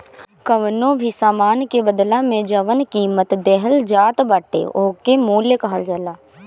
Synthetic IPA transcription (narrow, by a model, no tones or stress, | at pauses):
kəʋnõbʱisaːmaːnkebəd̪lamẽd͡ʒɐʋənkiːmət̪d̪ɛɦəld͡ʒaːt̪baːʈḛoːkemoːljəkɐɦəld͡ʒəlaː